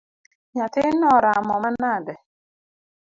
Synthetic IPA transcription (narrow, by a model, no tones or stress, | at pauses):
ɲatɪnɔɾaamɔman̩adɪ